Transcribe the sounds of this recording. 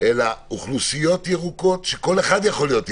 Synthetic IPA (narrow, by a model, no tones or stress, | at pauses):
elauχlusijo̞tjeʁuko̞t̪ʃeko̞leχad̪jaχo̞lijo̞t̪